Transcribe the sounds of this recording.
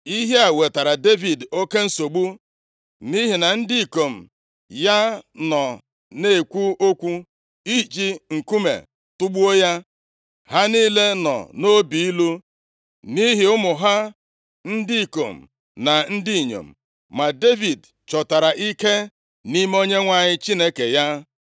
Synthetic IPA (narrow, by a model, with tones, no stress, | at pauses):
i˦ɦe˦a˨we˨ta˨ɾa˨de˦vi˨do˦ke˦n̩˦so˨ɡ͡bu˦ | ni˦ɦi˨na˨n̩˦dɪ˦i˨ko˨m̩˨ | ja˦nɔ˨ | ne˦e˨kʷu˦o˦kʷu˦ | i˦˨t͡ʃi˦ŋ̩˨ku˦mḛ˨ | tʊ˦ɡ͡bu˦o˦ja˦ | ɦa˦ni˦le˦nɔ̰˨no˦bi˨i˦lu˦ | ni˦ɦɪ˨ʊ˦mʊ˨ɦa˦ | n̩˦dɪ˦i˨ko̰˨m̩˨ | na˨n̩˦dɪ˦i˨ɲo̰˨m̩̰˨ | ma˨de˦vi˨d | t͡ʃɔ˨ta˨ɾa˨ʔi˦ke˦ | ni˦m˦o˦ɲe˦ŋʷa˨ɲɪ˦t͡ʃi˦ne˦ke˨ja˦